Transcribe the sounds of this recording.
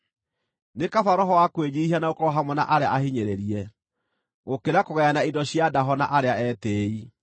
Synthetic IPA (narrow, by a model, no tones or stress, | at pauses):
nekafaɾɔɦɔwakwed͡ʑiihanaokɔɔɦamwɛna̰ʔaɾea̰ʔahiɲeɾeɾiɛ | ɣokeɾakoɣɛanaindɔɕjadaɦɔnaʔaɾeaɛtei